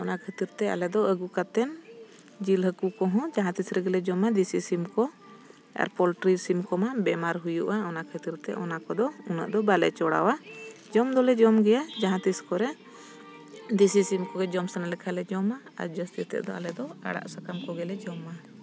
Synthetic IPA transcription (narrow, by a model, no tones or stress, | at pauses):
ɔnakʰət̪iɾt̪ɛa̰lɛd̪ɔəɡukat̪ɛn | d͡ʒilɦəkukɔɦɔ̃d͡ʒaɦãt̪isɾɛɡɛlɛd͡ʒɔmad̪isisimkɔ | ɛ̰ɾpɔlʈɾisimkɔmabɛmaɾɦujuʔaɔnakʰət̪iɾt̪ɛʔɔnakɔd̪ɔunə̰ʔd̪ɔbalɛ̰t͡ʃɔɽa̰wa | d͡ʒɔmd̪ɔlɛd͡ʒɔmɡɛjad͡ʒaɦãt̪iskɔɾɛ | d̪isisimkɔɡɛd͡ʒɔmsanalɛkʰalɛd͡ʒɔmaa̰ɾd͡ʒəst̪it̪ɛ̰ʔd̪ɔa̰lɛd̪ɔa̰ɽa̰ʔsakamkɔɡɛlɛd͡ʒɔma